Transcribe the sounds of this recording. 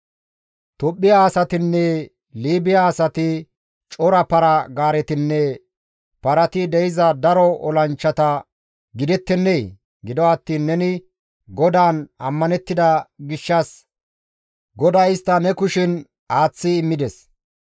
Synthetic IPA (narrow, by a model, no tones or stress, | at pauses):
t̪ɔpʼːɪjaːsɐt̪ɪnːɛ | liːbɪjaːsɐt̪ɪ | t͡ʃʼɔɾɐpɐɾɐɡaːɾɛt̪ɪnːɛ | pɐɾɐt̪ɪd̪ɛjɪzɐd̪ɐɾɔɔlɐnt͡ʃːɐt̪ɐ | ɡɪd̪ɛt̪ːɛnːej | ɡɪd̪ɔɐt̪ːiːnːɛnɪ | ɡɔd̪aːnɐmːɐnɛt̪ːɪd̪ɐɡɪʃːɐs | ɡɔd̪ɐɪst̪ːɐnɛkʊʃɪn | aːt͡sːɪːmːɪd̪ɛs